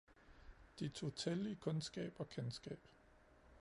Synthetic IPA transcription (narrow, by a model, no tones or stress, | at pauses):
d̥et͡sʰo̝t͡sʰelikʰɔ̽nsɡ̥ɛ̰ːb̥ɒ̽kʰensɡ̥ɛ̰ːb̥